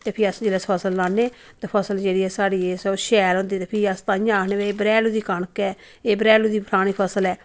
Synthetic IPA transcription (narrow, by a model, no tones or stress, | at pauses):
t̪eːpʰɪəsd͡ʒeːleːspʰəsəlːãːnːeː | t̪eːpʰəsəld͡ʒeːɽiːɛːsaːɽiːeːsʃɛːɾɦõnd̪iːt̪eːpʰɪəst̪aːjãaːkʰneːbeːeːbɾɛːluːd̪iːkəɳəkɛː | eːbɾɛːluːd̪iːbʱɾaːɽ̃iːpʰəsəlɛː